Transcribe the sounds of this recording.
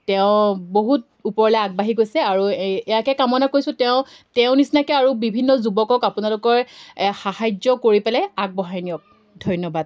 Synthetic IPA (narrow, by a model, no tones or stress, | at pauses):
tɛʊ̃boɦut̚ | upɔɹlɛaɡ̚baɦiɡojsɛaɹuɛjakɛkamɔnakojsʊ̃tɛʊ̃ | tɛʊ̃nisnakɛaɹubibʱinːɔzubɔkɔkapunalʊkɔɹxahajd͡ʒɔkoɹipɛlɛaɡ̚bɔɦajnijɔk̚ | dʱɔjnɔbad̚